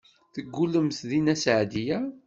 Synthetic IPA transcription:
θəɡːuləmθðinæsʕd̪ijæ

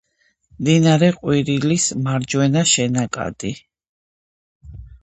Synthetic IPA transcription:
md̪inaɾɛqʼwiɾilismaɾd͡ʒwɛnaʃɛnakʼa̰d̪ʼi

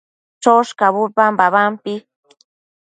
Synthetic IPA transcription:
t͡ʃoʂkaβupambaβampɪ

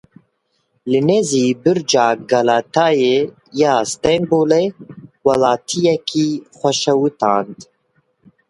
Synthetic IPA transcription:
lɨneːziːbɨɾd͡ʒaːɡɑlaːt̪ʰaːjeː | jaːst̪ɛŋboːlewɑlaːt̪ʰijɛkʰiːχʷɛʃɛwɨt̪aːnd̪

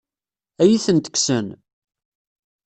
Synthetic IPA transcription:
æjiθənt̪ə̥kːsən

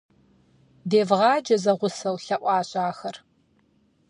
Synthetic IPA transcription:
deːvʁɑːd͡ʒɐzɐʁʷʊsɐwɬɐʔʷʼɑːɕʼaːxɐr

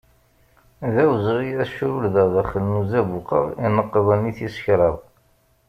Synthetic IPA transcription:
ðæwzʁiæʃɾulðəʁðæχəlnuzæbuqə̰ʁinːəqːəðˤəniθisə̥çɾˤɑðˤ

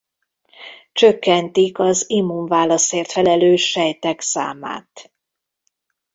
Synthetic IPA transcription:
t͡ʃø̞kːɛnt̪ikɒzimuɱvaːlɒseːrt̪fɛlɛløːʃːɛjt̪ɛksa̰ːma̰ːt̪

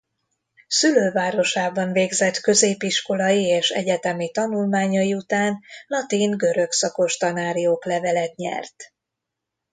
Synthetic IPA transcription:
syløːvaːɾo̞ʃaːbɒɱveːɡzɛt̪kø̞zeːpiʃko̞lɒjieːʃɛ̰ɟɛt̪ɛmit̪ɒnulmaːɲɒjiut̪aːnlɒt̪iŋɡø̞ɾø̞ksɒko̞ʃt̪ɒnaːɾijoːklɛvɛlɛt̪ɲɛ̰rt̪

